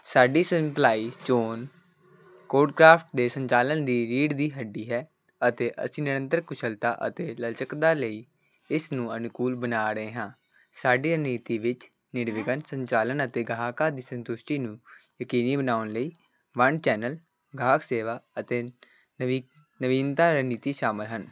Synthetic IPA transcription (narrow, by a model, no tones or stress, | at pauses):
saːɖiːsəmplaːiːt͡ʃoːn | koːɖkɾaːpʰʈd̪eːsəɲt͡ʃaːlənd̪iːɾiːɖd̪iːɦəɖːiːɦɛː | ət̪eːʔə̰sĩːnɪɽə̃nt̪əɾkʊt͡ʃʰəlt̪aːʔə̰t̪eːləlt͡ʃəkd̪aːləiː | ɪsnũːənʊkuːlbənaːɾəeːɦãː | saːɖiːəniːt̪iːʋɪt͡ʃ | nɪɽʋɪɡənsəɲt͡ʃaːlənət̪eːɡʱaːkaːd̪iːsə̃nt̪ʊʃʈiːnũːjəkiːniːbənaːʊnləiː | ʋəɳt͡ʃɛːnəl | ɡʱaːkseːʋaːət̪eː | nəʋiːnt̪aːɾəniːt̪iːʃaːmɪlɦən